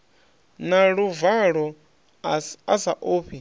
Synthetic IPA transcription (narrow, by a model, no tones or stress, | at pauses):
naɺuvaɺɔ | asaʔoːɸʰi